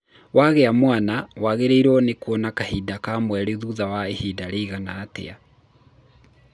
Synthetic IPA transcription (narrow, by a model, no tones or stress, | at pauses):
waɣeamwaːnawaɣeɾeiɾɔnekonakahidakamwɛɾeðuðawaehidaɾeiɣanaːtḛa